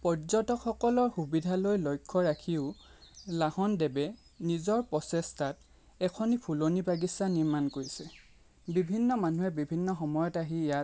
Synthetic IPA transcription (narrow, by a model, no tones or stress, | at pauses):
pɔɹzɔtɔkʰxɔkɔlɔɹxubidʱalojlɔjkʰːɔɹakʰiʊlahɔndɛbɛ | nizɔɹpɔsɛstat̚ | ɛkʰɔnipʰulonibaɡisaniɹmankoɹisɛ | bibʱinːɔmanuɦɛbibʱinːɔxɔmɔjɔtaɦijat